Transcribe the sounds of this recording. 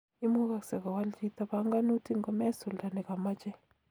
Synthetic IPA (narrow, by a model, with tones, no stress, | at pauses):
i˦mu˦ɣa˨ksa˨ka˨wa˦ld͡ʒi˦ta˦βa˨˦ŋɡa˦nu˦tʰi˦ŋɡɔ˨mɛ˦su˨lda˨nɛ˨ka˨ma˦t͡ʃɛ˦